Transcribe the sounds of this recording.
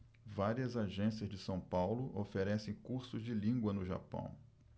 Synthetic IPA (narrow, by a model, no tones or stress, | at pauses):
vaɾiɐzaʒẽsiɐzd͡ʒɪsɐ̃w̃pawlʊʔofeɾɛsẽj̃kuɾsʊzd͡ʒɪlĩɡwɐnʊʒa̰pɐ̰̃w̃